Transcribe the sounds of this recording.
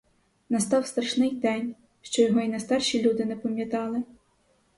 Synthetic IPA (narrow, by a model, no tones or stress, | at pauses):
nɐst̪ɑwst̪ɾɐʃnɪjd̪ɛnʲ | ʃt͡ʃɔjɔɦɔinɛst̪ɑrʃʲilʲud̪ɪnɛpɐmʲjɐt̪ɑlˠɪ